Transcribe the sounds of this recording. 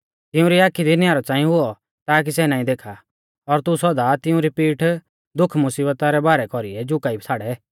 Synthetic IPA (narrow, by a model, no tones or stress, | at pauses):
t̪ɪʊ̃ɾiaːkʰːid̪injaːɾɔt͡sãːĩɦʊɔ | t̪aːk̬isɛnaːĩd̪eːkʰa | ɔɾt̪usɔd̪at̪ɪʊ̃ɾipiːʈʰ | d̪ʊkʰmʊsiːbət̪aɾɛbaːɾɛkɔɾiɛd͡ʒʊkaib̚ʰsʰaːɽɛ